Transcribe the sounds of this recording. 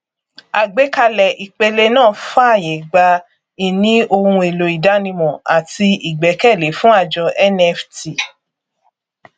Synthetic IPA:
a˨ɡ͡be˨˦ka˧lɛ˨ʔi˨k͡pe˧le˧nãː˦˨fa˦a˦˨je˨˦ɡ͡ba˧ | i˨nĩ˦o˧hũ˧e˨lo˨i˨da˨˦nĩ˧mɔ̃˨a˨ti˧i˨ɡ͡bɛ˨˦kɛ˦˨le˨˦fũ˦a˦˨d͡ʒɔ˧ʔɛ˦nɛ˧fti˨

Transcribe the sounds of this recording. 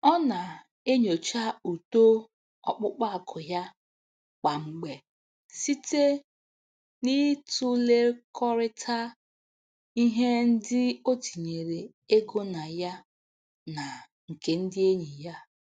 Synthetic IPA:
ɔ˦na˨ | e˦ɲo˨t͡ʃa˦u˨to˦ | ɔ̰˨k͡pʊ˦k͡pa˦a˨kʰʊ˨ja˦ | k͡pa˨ŋ͡m̩˨ɡ͡be˨ | si˦te˦ | ni˦tʊ˦le˦kʰɔ˦ɾɪ˦tʰa˦ | i˦ɦe˦n̩˦dɪ˦o˦ti˨ɲe˨ɾe˨ | e˦ɡo˦na˨ja˦ | na˨ | ŋ̩˨ke˦n̩˦dɪ˦e˦ɲi˨ja˦

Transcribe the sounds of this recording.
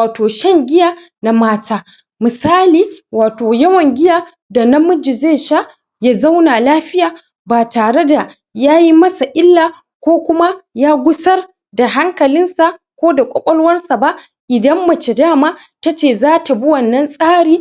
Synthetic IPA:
aː˨toː˨ʃɐ˦ŋɡʲɪ˦jaː˦ | na˨maː˦tʰaː˦ | mɨ˨saː˦liː˨waː˨toː˨jɐ˦wɐ˨ŋɡʲɪ˦jaː˦ | da˨nɐ˦mʊ˦d͡ʒi˨zeː˦˨ʃa˦ʔ | jaː˦za˦wnaː˨laː˦ɸɪ˦jaː˨ | baː˨taː˨ɽe˦da˨ | jaː˦ji˦mɐ˦sa˨ʔɪ˦lːaː˨ | kʷoː˦kʷʊ˦ma˦jaː˦ɡʷʊ˦sɐ˦r | da˨ɦa˦ŋkɐ˨lɪ˦nsa˨ | kʷoː˦da˨kʷʼɔ˨kʷʼɔ˦lwɐ˦rsa˨ba˦ʔ | ʔɪ˨dɐ˦mːɐ˨t͡ʃe˨daː˦maː˦ | ta˦t͡ʃeː˨zaː˦ta˨bi˦wɐ˨nːɐ˦nsʼaː˦ɽiː˦

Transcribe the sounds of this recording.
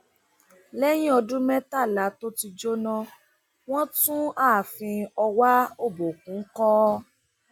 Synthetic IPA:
lɛ˦j̃ĩ˦ɔ˧dũ˦mɛ̃˦ta˦˨la˨˦to˦ti˧d͡ʒo˦nɔ̃˧ | w̃ɔ̃˦tũ˦aː˦˨fĩ˧ɔ˧wa˦o˦˨bo˨k̚ũ˨˦kɔ˦

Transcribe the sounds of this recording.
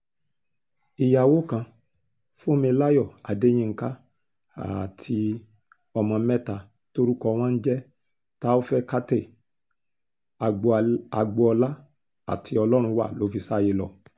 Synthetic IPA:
i˨ja˨wo˦kã˧ | fo˦mĩ˧la˦jɔ˦˨a̰˨de˨˦j̃ĩ˦˧ŋ̩˦ka˦ | a̰˨tʰi˧ | ɔ˧mã˧mɛ̃˦ta˧˨ | to˦ɾu˦kɔ˧w̃ɔ̃˦n̩˦d͡ʒɛ˦ | ta˦o˦fɛ˦ka˦te˦˨ | a˨ɡ͡ba˨˧ɡ͡bo˧ɔ˧la˦ | a̰˨tʰi˧ɔ˧lɔ˦ɾ̃ũ˧wa̰˦˨lo˨˦fi˧sa˦˨je˧lɔ˨

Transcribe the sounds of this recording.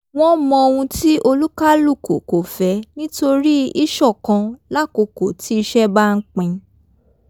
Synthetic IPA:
w̃ɔ̃˦mɔ̃˧o˧w̃ũ˧ti˦ʔo˧lu˦ka˦lu˦˨ko̰˨ko˨fɛ˨˦nĩ˦to˧ɾi˦i˦ʃɔ˦˨kã˧la˦˨ko˧ko˨tʰi˨˦i˧ʃɛ˦ba˦˧n̩˦k͡pĩ˧

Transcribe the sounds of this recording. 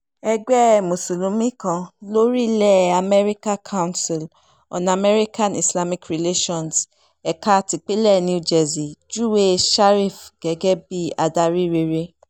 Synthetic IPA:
ɛ˧ɡ͡bɛ˦˨mo˨su˨lũ˨˦mĩ˦kã˧lo˦ɾi˦lɛ˦˨a˨mɛ˦ɾi˦ka˦kʰa˦wnsi˨l | ɔ̰̃˨na˨mɛ˦ɾi˦kã˦˨ni˨sla˦mi˨kɾi˨le˦ʃɔ̃˨ns | ɛ˨ka˦˨ti˨k͡pe˦lɛ˦˨ni˦d͡ʒɛ˨zi˨d͡ʒu˦we˦ʃa˦ɾi˦˨fɡ̥ɛ˨˦ɡɛ˦bi˦a˨da˧ɾi˦ɾe˧ɾe˧

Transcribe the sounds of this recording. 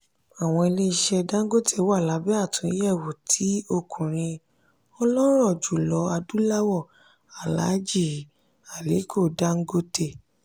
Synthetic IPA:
a˨w̃ɔ̃˧e˧le˦˧ʃɛ˧da˦ŋ̩˦ɡo˦te˦˨wa˦˨la˨˦bɛ˦a˦˨tũ˨˦i˦jɛ˦˨wo˨tʰi˨˦o˦˨kʰũ˨ɾ̃ĩ˧ | ɔ˧lɔ˦ɾɔ˦˨d͡ʒu˨lɔ˧˦a˧du˦la˦wɔ˦˨ | a˨la̰˨˦d͡ʒi˦˨ | a˨le˨˦kʰo˦˨da˦ŋ̩˦ɡo˦te˦˨

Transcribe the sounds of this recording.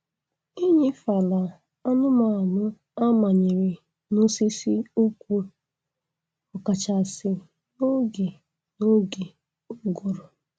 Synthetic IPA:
i˦ɲi˦fa˨la˨ | ɔ˦nʊ˦ma˨mʊ˦ | a˦ma˨ɲe˨ɾe˨ | no˦si˦si˦u˦kʷu˦ | ʊ˨ka˨t͡ʃa˨sɪ˨ | no˦ɡe˨ | no˦ɡe˨ | u˦ɡo˨ɾʊ˨

